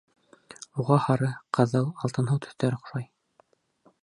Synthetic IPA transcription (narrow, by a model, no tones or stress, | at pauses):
uʁɑhɑɾɤqɤ̆ðɤlˠɑlˠt̪ɤ̆nɦɤwt̪ʰɵ̥̆θt̪æɾŏχ̆ʃɑj